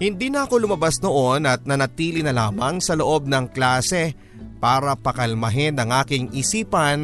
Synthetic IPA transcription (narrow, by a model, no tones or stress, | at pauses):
hɪnd̪iːnɐʔɐko̞lʊmɐbasno̞ʔo̞nɐt̪̚nɐnɐt̪iːlɪnɐlaːmɐŋsɐlo̞ʔo̞b̚nɐŋklaːsɛ | paːɾɐpɐkɐlmɐɦɪnɐŋʔaːkɪŋɪsiːpɐn